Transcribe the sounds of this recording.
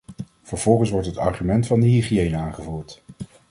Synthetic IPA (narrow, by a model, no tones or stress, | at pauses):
v̥əɹv̥ɔlˠχənsʋɔɹtɦətɑ̰ɹχymɛntfɑndəɦiχiejnəaːnχəvuːɹt